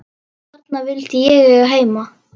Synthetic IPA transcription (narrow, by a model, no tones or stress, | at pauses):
at̪navɪlt̪jɛɣɛɦeːjma